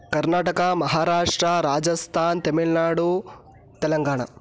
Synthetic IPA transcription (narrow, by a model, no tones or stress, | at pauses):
kɐɾnaːʈɐkɐmɐɦaːɾaːʂʈɾɐɾaːd͡ʒɐst̪ʰaːnt̪ɐmiɭnaːɽu | t̪ɛlɐŋɡaːɳa̰